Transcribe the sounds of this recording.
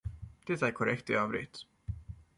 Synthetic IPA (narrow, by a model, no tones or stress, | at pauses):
d̪̥ɛt̪æɾkʰɔɾɛkt̪ɪɑːvɾɪ̰t̪